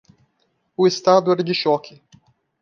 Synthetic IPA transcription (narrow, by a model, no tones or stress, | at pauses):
ʊest̪ad̪ʊɛɾd͡ʒɪʃɔkʰɪ